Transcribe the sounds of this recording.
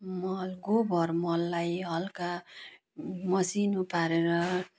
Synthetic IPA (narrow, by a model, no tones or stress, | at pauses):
mʌlɡobʱʌrmʌlːajɦʌlka | mʌsinupaɾeɾʌ